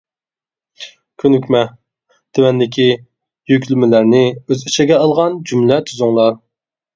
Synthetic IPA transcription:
kʲʰønykʲmɛ | t̪ʰewɛnd̪ɪkʲʰi | jykʲʰlymɪlæɾnɪøziʃɛɡʲɛɑlˠʁɑnd͡ʒymlɛt̪ʰyzuŋlˠɑɾ

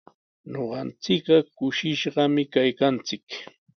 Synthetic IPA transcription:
ɲoɢɑnt͡sɪkɢɑkʊʃɪʃɢɑmɪkajkant͡sɪk

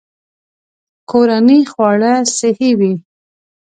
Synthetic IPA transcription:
kʰoɾanixwɑɽasɪhiwi

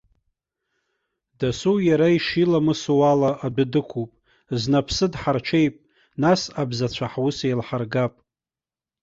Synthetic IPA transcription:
dasujaɾaiʂilamɨsuwalaʔadʷʊdɨkʷʰupʼ | znapʰsɨdħart͡ʃʰe̞jpʼ | nasabzat͡ɕʷʰaħwʊsejlħarɡapʼ

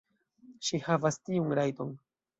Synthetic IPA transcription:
ʃihavastiunɾajton

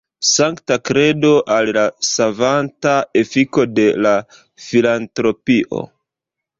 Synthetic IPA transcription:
saŋktakɾe̞do̞ʔallasavantae̞fiko̞de̞la | filantɾo̞piʔo̞̰

